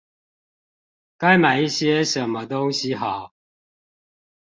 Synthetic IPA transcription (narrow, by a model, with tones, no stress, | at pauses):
ka˦ɪma˨˩ɪi˥˩ɕjɛ˦ʂə˨˦nmə˦t̪o˦ŋɕi˦xɑ˨˩˦ʊ